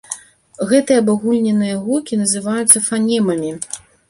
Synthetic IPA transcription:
ɣɛt̪ɨjɐːbaɣulʲnʲɛnɨjɐɣukʲinɐzɨvajut̪sːɐfanʲɛmɐmʲi

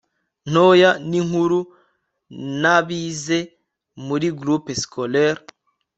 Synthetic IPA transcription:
n̥ojaniŋhuɾu | naβize | muɾiɡɾupeskʰoleɾ

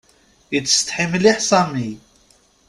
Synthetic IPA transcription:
it͡sːə̥st̪ħimliħsɑmij

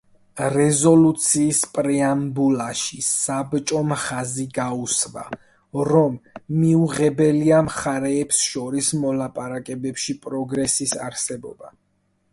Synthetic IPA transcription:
ɾɛzɔlut̪sʰiːspʼɾɛambulaʃisabt͡ʃʼɔmχaziɡausva̰ | ɾɔmːiuʁɛbɛliamχaɾɛːpsʃɔɾismɔlapʼaɾakʼɛbɛpʃipʼɾɔɡɾɛsisa̰ɾsɛbɔ̰ba

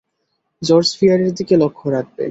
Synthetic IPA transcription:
d͡ʑɔɾsfijaɾeɾd̪ikelokʰːoɾak̚ʰbḛ

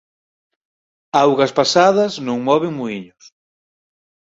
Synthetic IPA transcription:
awɣɐspasaðɐznõŋmɔβeŋmuiɲʊs

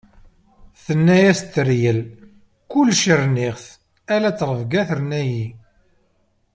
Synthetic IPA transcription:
θənːæjæst̪ːəɾjəl | kʊlːʃəɾnɪʁθ | ælæt͡sːɾˤəvɡæθəɾnæji

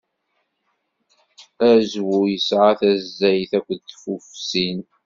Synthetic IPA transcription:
æzwujəsʕaθæzːæjθækʷːəðt̪fufsin

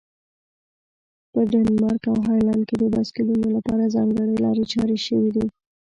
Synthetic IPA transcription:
pəɖanmɑɾkawɦɑjland̪ked̪əbaskulunolapɑɾazɑŋɡəɽəjlɑ̰ɾet͡ʃɑɾeʃəwid̪i

